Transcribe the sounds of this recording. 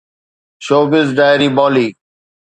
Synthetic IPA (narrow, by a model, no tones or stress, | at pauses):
ʃoːbɪzɖaːjɾiːbɔːliː